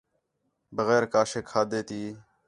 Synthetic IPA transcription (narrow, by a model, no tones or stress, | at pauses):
bəɣeːɾkaːʃeːkʰːaːd̪eːt̪iː